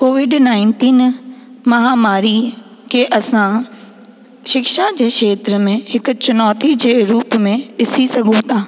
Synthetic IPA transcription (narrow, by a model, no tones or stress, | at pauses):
koːʋɪɖnaːɪ̃nʈiːnmɐɦaːmaːɾi | keʔɐsã | ʃɪkʃad͡ʑeːʃeːt̪ɾəmẽɦɪkʊ̆t͡ɕʊnɔːt̪id͡ʑeːɾuːpmẽɗɪsisɐɡʱũt̪ʰaː